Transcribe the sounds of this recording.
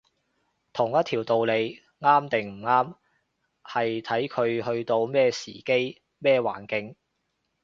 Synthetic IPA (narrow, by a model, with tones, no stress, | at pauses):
t̪ʰʊ˨˩ŋjɐ˥t̪ʰiː˨˩wt̪o˨wle˨˧j | ŋaː˥mt̪ɪ˨ŋm̩˨˩ŋaː˥m | hɐ˨jt̪ʰɐ˨˥jkʰɵ˨˧ɥhɵ˧ɥt̪o˧wmɛː˥siː˨˩ke˥j | mɛː˥˧wa̰ː˨˩nkɪ˧ŋ